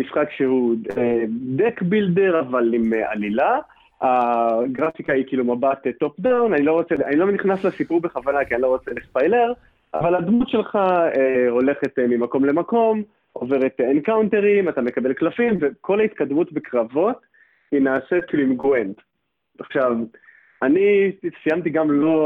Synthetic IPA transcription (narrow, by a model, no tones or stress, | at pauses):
misχakʃeuedekbilde̞ʁavalimʔa̰lila | aɡʁafikaikiːlumabat̪eto̞pdawnanilo̞ʁo̞t͡seanilo̞mniχnaslesipuʁbeχavanakianilo̞ʁo̞t͡selispajleʁ | avalad̪mutʃe̞lχaeho̞le̞χetmimako̞mle̞mako̞m | ove̞ʁet̪enkawnte̞ʁimatame̞kabe̞lklafimve̞ko̞lait̪kad̪mutbekʁavo̞t | inaːsetkiːluimɡoend | aχʃav | anisijamt̬iɡamlo̞